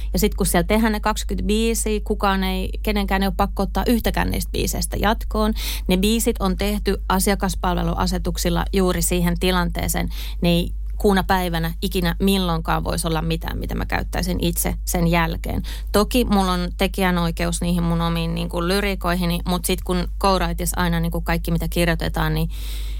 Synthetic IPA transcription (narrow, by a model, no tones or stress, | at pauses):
jɑsit̪kussielt̪ehænnekɑkskyt̪biːsiːkukɑːnei | keneŋkæːneioppɑkːoot̪ːɑ̰ːʔyht̪ækæ̰ːnnḭːst̪̚bḭːsḛist̪æ̰jɑt̪koːn | nebiːsit̪ont̪eht̪yʔɑsiɑkɑspɑlʋḛlṵʔɑ̰set̪uksilːɑ̰juːrisiːhent̪ilɑnt̪ḛːsḛːn | nei | kuːnɑpæiʋænæikinæmilːoŋkɑ̰ːʋʋo̰isolːɑmmit̪æ̰ːmit̪æmæ̰kæ̰yt̪ːæisinʔit̪sḛsenjælkḛːn | t̪okimulːont̪ekiænoikeusniːhimmunomiːnniːŋkullyrikoiɦinimut̪sit̪kunkouɾɑit̪isɑ̰inɑniːŋkukɑikːimit̪ækirjot̪ḛt̪ɑːnni